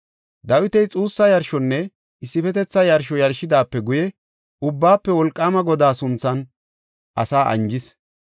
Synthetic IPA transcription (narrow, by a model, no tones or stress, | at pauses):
d̪ɐwɪt̪ɛjt͡sʼuːsːɐjɐɾʃɔnːɛ | ɪsːɪfɛt̪ɛt͡sːɐjɐɾʃɔjɐɾʃɪd̪aːpːɛɡʊjɛ | ʊbːaːpːɛwɔlkʼːaːmɐɡɔd̪aːsʊnt͡sːɐn | ʔɐsaːʔɐ̰nd͡ʒɪs